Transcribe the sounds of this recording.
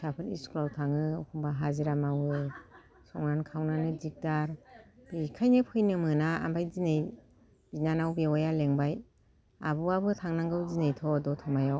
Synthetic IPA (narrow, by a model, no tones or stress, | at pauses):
sapʰɯnḭskʰlawtʰaŋɯɔkʰuŋbaɦaziɾamawɯ | sɔŋnankʰawnanɯzik̚daɾb̥ikʰajnɯpʰɯjnɯmɯnaa̰mbajzinej | binanawbewɔjaleŋbaj | a̰bɯabɯtʰaŋnaŋɡɯwzinejtʰɔdɔtʰɔmajaw